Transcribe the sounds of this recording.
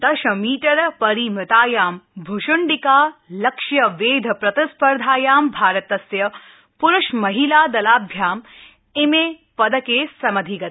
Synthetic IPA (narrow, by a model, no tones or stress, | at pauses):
t̪ɐʃɐmiːʈɐɾpɐɾiːmɐt̪aːjaːmbʱʊʃʊɳɖikaːlɐkʃjɐʋeːd̪ʱɐpɾɐt̪ɪspɐɾd̪ʱaːjaːmbʱaːɾɐt̪ɐsjɐ | pʊɾʊʃmɐɦilaːd̪ɐlaːbʱjaːm | ɪmeː | pɐd̪ɐkeːsɐmɐd̪ʱiɡɐt̪